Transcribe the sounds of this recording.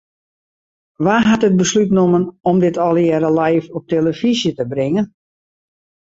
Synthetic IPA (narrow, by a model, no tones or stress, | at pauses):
ʋaɦatət̚bəslytnomənɔmdɪtʰɔlˠjɛɾəlajfɔp̚teləfizjətəbrɪŋən